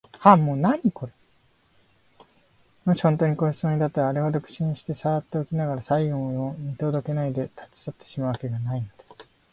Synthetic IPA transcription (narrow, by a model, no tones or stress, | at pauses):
hamo̞ːnaɲ̟iko̞ɾe | moɕi̥hõ̞nt̪o̞ːɲ̟ikoːçi̥t͡sɨmoɲ̟id̪at̪ːaɾaːɾeβad̪o̞kɯ̟̥ɕĩɕi̥t̪e̞saɡat̪ːe̞okʲinaɡaɾasaiɡõɰ̃oomʲit̪o̞d̪o̞ke̞naid̪e̞t̪ʰḁt͡si̥sat̪ːe̥ɕimaɯ̟βake̞ɡanaino̞d̪̥esɨ̥